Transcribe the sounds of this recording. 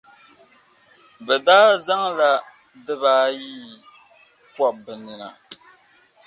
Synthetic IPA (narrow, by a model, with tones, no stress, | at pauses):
bɛ˨daː˦za˦ŋla˦ | dɨ˦βaː˦jiː˦ | pɔ˦ʔbɨ˨nɨ˨na̰˨